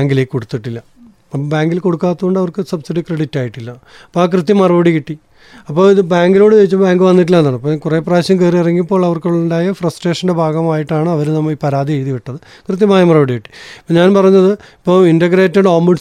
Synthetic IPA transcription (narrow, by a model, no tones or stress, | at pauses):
aːŋɡilekːoɽut̪ːiʈːilːɐ | baːŋɡilko̞ɽukːaːt̪ːuɣoɳɖɐʋɐrkɨsɐbsiɽikreɽitːaːjiʈːilːɐ | ɐpːoaːkrɨt̪ːjɐmɐrɐbɐɽikiʈːi | ɐpːo̞ːɭiðɨbaːŋɡiloːɽɨʋejit͡ɕːubaːŋɡɨʋɐnːiʈːilːenːaːɳɐpːokurepraːɕjɐmkeːriirɐŋːipːoːɭɐʋɐrkuɭːuɳɖaːjɐfrɐsʈre̞ːʂɐnde̞bʱaːɡɐmaːjiʈːaːɳɨɐʋɐɾɨnɐmːɐipɐɾaːd̪ʱieɻiðiʋiʈːɐðɨ | krɨt̪̬jɐmaːjɐmɐrɐbɐɽikiʈːi̥pːoːɲaːnpɐrɐjɲːɐðɨipːoːindɐɡɾeːtːɐɳɖoːmːɐɖ